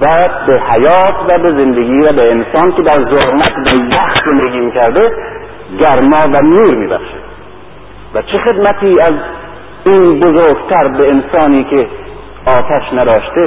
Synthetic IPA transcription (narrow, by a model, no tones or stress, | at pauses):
væbehæjɒːt̪ʰvæbezend̪eɡiːvæbeensɒːnked̪æɾzoɾmæt̪bæjæxt̪ze̞nd̪eɡʲiːmikʰæɾd̪e | ɡæɾmɒːvænuːɾmiːbæ̰χʃed̪ | væt͡ʃʰexe̞d̪mæt̪ʰiːæz | iːnbozoːɾɡt̪ʰæɾbeensɒːniːkʰe | ɒːt̪ʰæʃnæd̪ɒːʃt̪e